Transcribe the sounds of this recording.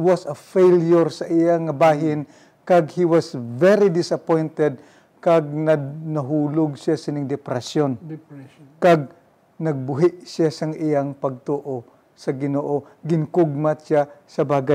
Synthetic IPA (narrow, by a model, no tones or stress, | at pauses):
wasɐfejljoɹsɐʔɪjaŋɐbaːɦɪn | kɐɡhiwasvɛɾid̪ɪsɐpojnt̪ɛd̪̚ | kaɡ̚nɐnɐɦuːlʊɡ̚sjasɪnɪŋd̪ɛpɾɛsjon | kaɡ̚ | nɐɡ̚bʊɦɪʔsjasɐŋʔɪjaŋpɐɡ̚t̪oːʔo | sɐɡɪnoːʔo | ɡɪŋkʊɡ̚mat̪ʃasɐbaːɡa